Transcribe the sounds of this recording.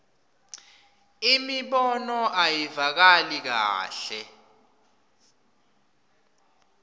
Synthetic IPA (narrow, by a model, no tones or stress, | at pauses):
imiɓɔnɔʔajivak̬alik̬a̰ːɬɛ